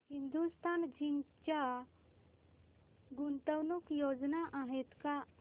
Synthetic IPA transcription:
hĩnd̪ust̪ʰand͡ʒʱiŋt͡ʃa | ɡunt̪əwnukjod͡ʒnaʔaɦɛt̪ka

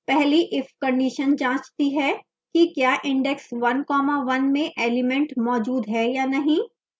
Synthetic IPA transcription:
pɛɦliʔɪfkɐ̃ɳɖiːʃənd͡ʒãːt͡ʃt̪iɦɛ | kikjaːʔɪ̃ɳɖɛksʋɐnkɔːmaʋɐnmẽʔeːlɪmɛ̃ɳʈmɔːd͡ʒuːd̪ɦɛjaːnɐɦĩː

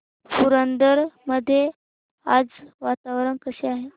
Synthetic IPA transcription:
fuɾənd̪əɾməd̪ʱːje | ad͡zʋat̪aʋɾəɳkəseaɦe

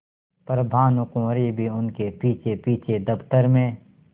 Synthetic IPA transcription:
pɾəb̪ʱaːnʊkõɾibʱiʊnkepiːt͡ʃʰepiːt͡ʃʰed̪əpt̪əɾmẽː

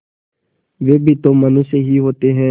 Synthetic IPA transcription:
ʋeːbʱit̪oːmɐnũseɦiɦoːt̪eɦɛ̃ː

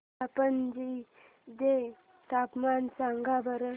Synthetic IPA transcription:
apənd͡ʑi | de | t̪apmansaŋɡabəɾə

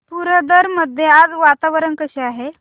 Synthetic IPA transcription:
puɾəd̪əɾməd̪ʱjead͡zʋat̪aʋəɾənkəɕeaɦe

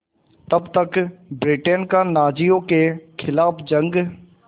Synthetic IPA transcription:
t̪ɐbt̪əkbɾɪʈeːnkanaːd͡ʒijõkekʰɪlaːpʰd͡ʒə̃ŋɡ

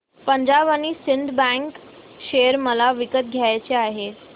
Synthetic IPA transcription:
pəɲd͡ʑabañiːsiɳɖbɛ̃ŋk | ɕejəɾməlaʋikət̪̚ɡʱjajt͡ɕeaɦe

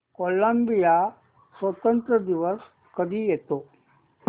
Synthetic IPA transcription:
koləmbija | sʋət̪ənt̪ɾəd̪iʋəs | kəd̪ʱiːjɛt̪o

